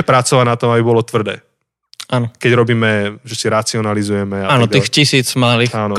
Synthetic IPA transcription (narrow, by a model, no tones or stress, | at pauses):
ɛpɾat͡sɔʋanat̪ɔmabibɔlɔt̪ʋr̩d̪ɛ̰ː | ʔaːnɔkɛɟɾɔbiːmɛʒɛsiɾat͡siɔnalizujɛmɛataːnɔt̪ixcisiːt͡smalixaːnɔ